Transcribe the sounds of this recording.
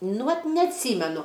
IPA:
nʊ ˈʋɐt nʲɛɐtʲˈsʲiːmʲɛnʊ

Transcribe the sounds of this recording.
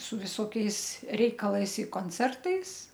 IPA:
sʊ ʋʲɪˈsoːkʲɛɪs ˈrʲɛɪkɐlˠɐɪs ɪ koːnʲˈt͡sʲɛrtɐɪs

